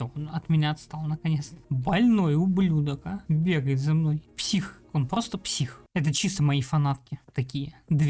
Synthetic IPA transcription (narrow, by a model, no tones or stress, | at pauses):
oonɐt̪mʲɪnʲaɐt̪st̪alˠnəkɐnʲet̪st̪ə̥bɐlʲno̞jʊblʲud̪əkəbʲe̞ɡəjɪt̪zɐmno̞jpsʲixonpɾo̞st̪əpsʲixɛt̪ət͡ɕist̪əmɐifɐnat̪̚kʲɪt̪ɐkʲijəd̪vʲ